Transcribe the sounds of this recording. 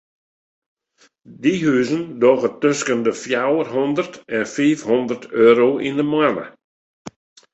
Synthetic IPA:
diɦyːzəndɔɣətøskəndəfjawərɦɔndərtɛnfiːfhɔndərtʰøːɾoʔindəmwanə̰

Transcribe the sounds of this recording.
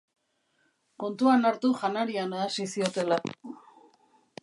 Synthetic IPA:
ko̞nt̪uanaɾt̪uʝanaɾianaðasisio̞t̪e̞la

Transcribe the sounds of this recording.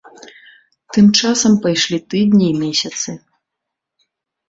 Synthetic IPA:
t̪ɨmt͡ʂasɐmpajʂlʲit̪ɨd̪̚ʲnʲiːmʲesʲɐt̪sɨ

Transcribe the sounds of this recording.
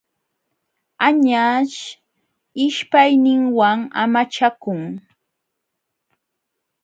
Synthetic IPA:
aɲaʃ | ɪʃpajnɪŋwaŋa̰mat͡ʃakʊŋ

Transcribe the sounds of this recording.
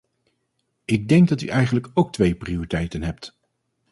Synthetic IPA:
ɪɡ̚dɛŋɡ̚dɑty̰ʔɛjχənləkowk̚tʋejprioritɛjtənɦɛpt

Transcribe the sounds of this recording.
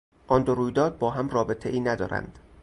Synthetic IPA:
ʔɒnd̪oɾuːjd̪ɒːd̪̚bɒːɦæmrɒːbe̞t̪ʰeʔiːnæd̪ɒ̰ːɾæ̰nd̪̥

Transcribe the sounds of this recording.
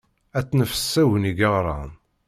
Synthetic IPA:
æt͡sːnəfə̥sːæwəniɡəʁɾˤɑ̰n

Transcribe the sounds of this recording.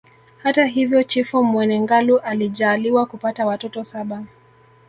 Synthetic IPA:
hataɦivjɔt͡ʃifɔmwɛnɛŋɡaluʔaliʄaːliwakupatawatɔtɔsaɓa

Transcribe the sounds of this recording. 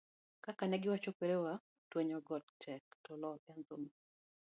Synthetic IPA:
kakanɛɡɪwat͡ʃokweɾewa | tweɲɔɡɔt̚tʰɛk̚tɔlɔɛnt̪ʊm

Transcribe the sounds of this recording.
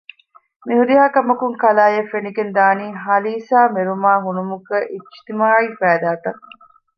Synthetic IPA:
miɦuɾiɦaːkɐmɐkuŋkɐlaːjefeniɡend̪aːniːɦɐliːsaːmeɾumaːɦunumukɐʔit͡ʃt̪imaːifæːd̪aːʈɐ

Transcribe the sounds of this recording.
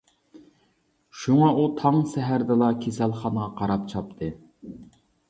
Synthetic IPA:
ʃuŋɑʔut̪ʰɑŋsɛɦæɾd̪ɨlˠɑkʲʰesælˠχɑnəʁɑqʰɑɾɑpt͡ʃʰɑp̚t̪ʰɨ

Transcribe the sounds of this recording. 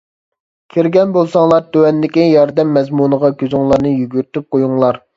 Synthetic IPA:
kʲʰiɾɡʲɛnbolˠsɑŋlˠɑɾd̪øwɛnd̪ɪkʲijɑɾd̪ɛmːɛzmunəʁɑɡʲøzʊŋlˠɑɾnɨjyɡʲyɾyt̪yp̚qʰojuŋlˠɑɾ

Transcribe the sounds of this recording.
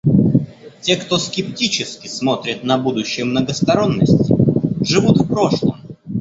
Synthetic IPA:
tʲe̞kt̪o̞skʲɪptʲit͡ɕɪskʲɪsmo̞t̪ɾʲɪt̪nɐbud̪ʊɕːɪjəmnəɡəst̪ɐɾo̞nːəsʲtʲʐɨvut̪fpɾo̞ʂlˠə̰m

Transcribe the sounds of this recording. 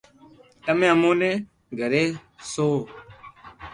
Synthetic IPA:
t̪əmẽːəmõːnẽː | ɡʱəɾeːsoː

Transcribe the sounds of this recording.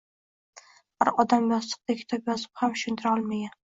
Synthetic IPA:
haɾɒd̪amjɒzlˠɨ̥q̚d̪akʲʰɪ̥t̪ʰɒpjɒzɪ̥phamʊʃʊnt̪ʰɪɾɒlˠmaɡʲan

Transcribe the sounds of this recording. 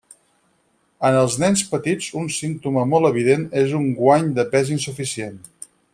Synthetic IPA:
ənəlˠznɛnspət̪id͡zunsint̪uməmɔlˠəβ̞iðenezuŋɡwaɲd̪əpɛzinsufisien

